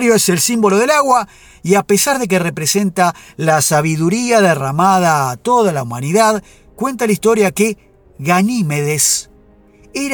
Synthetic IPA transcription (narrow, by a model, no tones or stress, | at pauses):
ɾjoese̞lsimbo̞lo̞ðelaɣwa | iape̞saɾðe̞k̬ere̞pɾese̞nt̪alasaβiðuɾiaðeramað̞aːt̪o̞ðalaumaniðað | kwe̞nt̪alaist̪o̞ɾjake | ɣanimeðes | eɾ